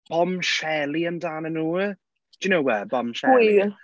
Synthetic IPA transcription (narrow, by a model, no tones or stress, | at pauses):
b̥ɔmʃɛlˠiəndaːnənuː | d̥unowwəbɔmʃɛi